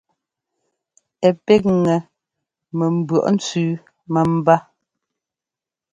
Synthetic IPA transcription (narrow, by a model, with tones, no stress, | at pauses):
ɛ˨pɛ˦k̚ŋɛ˨ | mɛ˨m̩˨bɰɔ̰˨ʔn̩˦t͡sʉː˦ | mə˨m̩˦ba˦